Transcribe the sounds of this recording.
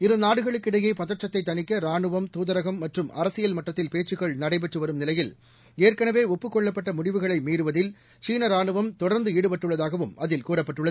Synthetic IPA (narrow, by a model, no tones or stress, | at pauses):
ɪɾɯnaːɽɯɣɐɭɯkːɪɽɐjeːpɐðɐʈrɐt̪ːɐɪt̪ːɐnɪkːɐɾaːɳɯʋɐmt̪uːðɐɾɐɣɐmːɐʈrɯmɐ̰ɾɐsɪjɐlmɐʈːɐt̪ːɪlpeːt͡ʃːɯɣɐɭnɐɽɐɪp̬ɛʈrɯʋɐɾɯmnɪlɐjɪl | eːɾkɐnɐʋeːɔpːɯkːɔɭːɐpːɐʈːɐmʊɽɪʋɯɣɐɭɐɪmiːɾɯʋɐðɪl | t͡ʃiːnɐɾaːɳɯʋɐmt̪ɔɽɐɾnd̪ɯiːɽɯpɐʈːɯɭːɐðaːɣɐʋɯmɐðɪlkuːɾɐpːɐʈːɯɭːɐð